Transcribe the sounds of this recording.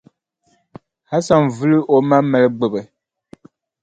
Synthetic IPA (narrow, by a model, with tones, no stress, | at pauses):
ha˦sa˦nvɨ˦lɨ˦ʔo˦ma˦mɛ˨lɨ˦ɡ͡bɨ˨bɨ˨